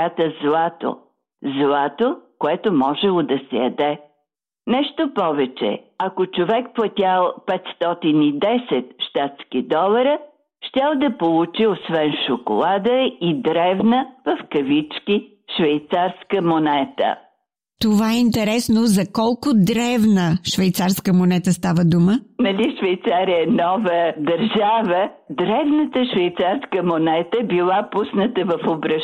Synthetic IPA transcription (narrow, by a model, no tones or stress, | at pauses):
at̪əzlˠat̪o̰ | zlˠat̪okoɛt̪omɔʒɛlˠod̪ɐsɛjɐd̪ɛ | nɛʃt̪opɔvɛt͡ʃɛ̰ɐkot͡ʃovɛkplˠɐt̪ʲalˠpɛt̪st̪ɔt̪inid̪ɛsɛt̪ʃt̪at̪skid̪ɔlˠɐɾə | ʃt̪ʲalˠd̪ɐpolˠut͡ʃiosvɛnʃoko̰lˠad̪əid̪ɾɛvnəvɐfkɐvit͡ʃki | ʃvɛjt̪saɾskəmonɛt̪ə̰ | t̪ovaɛint̪ɛɾɛsnozɐkɔlˠkʊd̪ɾɛvnəʃvɛjt̪saɾskəmonɛt̪əst̪avəd̪umənɐlʲiʃvɛjt̪saɾiənɔvəd̪ɐɾʒavə | d̪ɾɛvnət̪əʃvɛjt̪saɾskəmonɛt̪əbilˠapusnət̪əvɐfobɾɐ